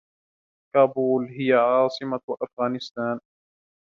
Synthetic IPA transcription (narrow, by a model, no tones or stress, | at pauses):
kaːbuːlɦɪjaʕɑːsˤɨmawaʔafɣaːnɪst̪aːn